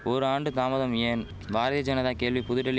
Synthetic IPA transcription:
ɔɾɯaːɳɖɯt̪aːmɐðɐmeːn | baːɾɐðɪjɐd͡ʒɐnɐðãːkeːɭʋipʊðʊʈːɐɭː

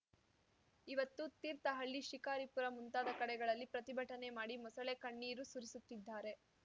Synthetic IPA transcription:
iʋɐt̪ːut̪iːɾt̪ɐɦɐɭːiʃikaːɾipuɾɐmunt̪aːd̪ɐkɐɽɛɡɐɭɐlːipɾɐt̪ibʱɐʈːɐne̞maːɽimɐsɐɭekɐɳːiːɾusuɾisut̪ːid̪ːaːɾe̞

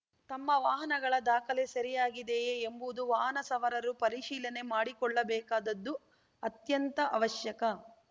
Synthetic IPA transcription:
t̪ɐmːɐʋaːɦɐnɐɡɐɭɐd̪aːkɐlesɐɾijaːɡid̪eːmbud̪uʋaːɦɐnɐsɐʋɐɾɐɾupɐɾiʃiːlɐne̞maːɽikɔɭːɐbɛːkaːd̪ɐd̪ːu | ɐt̪jɐnt̪ɐʔɐʋɐʃjɐkɐ

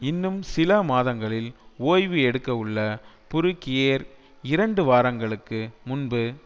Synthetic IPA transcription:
ɪnːɯmsɪlɐmaːðɐŋɡɐɭɪloːjʋɯɛɽɯkːɐɯɭːɐ | pʊɾɯkːɪjeːɾ | ɪɾɐɳɖɯʋaːɾɐŋɡɐɭɯkːɯmʊnbɯ

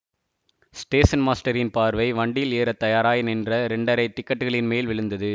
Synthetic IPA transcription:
sʈeːsɐnmaːsʈɐɾɪnpaːɾʋɐɪʋɐɳɖɪjɪleːɾɐt̪ːɐjaːɾaːjɪnɛndrɐɾɛɳɖɐɾɐɪt̪ɪkːɐʈːɯɣɐɭɪnmeːlʋɪɭɯnd̪ɐðɯ

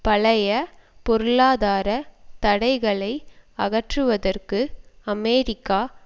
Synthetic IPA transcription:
pɐɭɐjɐpɔɾɯɭaːðaːɾɐt̪ɐɽɐɪɣɐɭɐɪɐɣɐʈrɯʋɐðɐrkɯɐmeːɾɪkːaː

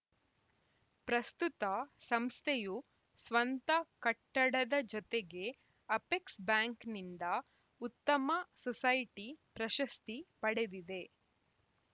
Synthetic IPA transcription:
pɾɐst̪ut̪ɐsɐmst̪ʰeju | sʋɐnt̪ɐkɐʈːɐɽɐd̪ɐd͡ʒɔt̪eɡe̞ | ɐpeksbjaːŋknind̪ɐ | ut̪ːɐmɐsɔsɐjʈipɾɐʃɐst̪ipɐɽed̪id̪e̞

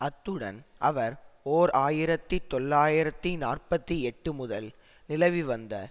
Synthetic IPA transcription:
ɐt̪ːɯɽɐ̰nʔɐʋɐɾoːɾaːjɪɾɐt̪ːit̪ɔɭːaːjɪɾɐt̪ːinaːrpɐt̪ːiɛʈːɯmʊðɐl | nɪlɐʋiʋɐnd̪ɐ̰

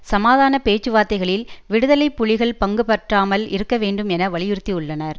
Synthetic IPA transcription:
sɐmaːðaːnɐpeːt͡ʃːɯʋaːɾt̪ːɐɪɣɐɭɪlʋɪɽɯðɐlɐɪpːʊɻɪɣɐɭpɐŋɡɯpɐʈraːmɐlɪ̰ɾɯkːɐʋeːɳɖɯmɛnɐʋɐɭɪjɪɾɯt̪ːiʊɭːɐnɐɾ

